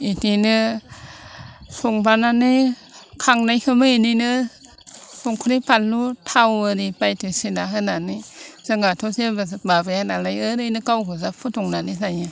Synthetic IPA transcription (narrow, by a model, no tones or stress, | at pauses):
itinɯ | suŋbananɯ | kʰaŋnajkʰɯmɯeninɯ | suŋkʰuɾipalːutʰawɯɾipajtʰɯsinaɦɯnanɯzɯŋatʰosebabɯjanalajɯɾɯjnɯkawkʰɯzapʰutʰɔŋnanizajɯ